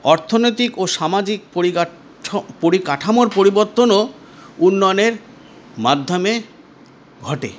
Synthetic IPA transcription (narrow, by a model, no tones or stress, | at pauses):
ɔɾt̪ʰonojt̪ikoʃamad͡ʑik̚po | poɾikaʈʰamoɾpoɾiboɾt̪ono | unːɔjoneɾ | mad̪ʱːome | ɡʱɔʈḛ